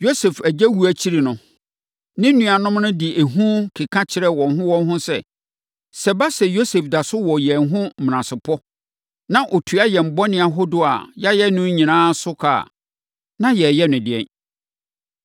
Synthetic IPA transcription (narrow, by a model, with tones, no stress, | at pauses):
jo˦se˨fæ˨d͡ʑæ˦wu˨æ˨t͡ɕʰi˦ɾi˨nʊ̃˨ | nɪ̃˦nũ˨˦a˨nʊ̃˦mnʊ̃˦dɪ˨ʔe˨ɦũ˦kʰi˨kʰã˦t͡ɕʰɪ˨ɾɛ˦wɔ̃˨nɦʊ̃˦wɔ̃˦nɦʊ̃˦sɛ̰˦ | sɛ˨ba˦sɛ˨jo˦se˨fda˨sʊ˦wɔ˨jɛ˨nɦʊ̃˦m̩˨m˨ã˨sɪ˨pʰɔ˦ | nã˦ʔo˨tʰu˨a˦jɛ˨m̩˨bɔ˦nɪ̃˨a˨ɦo˦dʊ˨a̰˨ja˦jɛ˦nʊ̃˦ɲĩ˨nãː˦sʊ˦kʰa̰˨ | nã˦jɛ˨jɛ˦nʊ̃˨dɪ˨ɛ̰˦n